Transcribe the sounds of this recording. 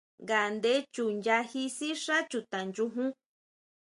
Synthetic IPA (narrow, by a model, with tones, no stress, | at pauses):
ŋɡa˨nd̪e˦t͡ʃu˨nd͡ʒa˧hi˧si˦ʂa˦t͡ʃu˧˨t̪ã˨nd͡ʒu˧ɦũ˦